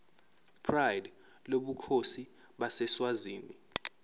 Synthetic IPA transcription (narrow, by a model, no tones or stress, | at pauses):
pʰrajd | loɓukʰosi | ɓasɛswaziːni